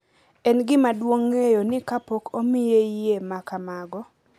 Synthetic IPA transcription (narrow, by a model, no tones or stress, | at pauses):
ɛnɡɪmadwoŋːejonɪkapokomɪjeɪjemakamaɡɔ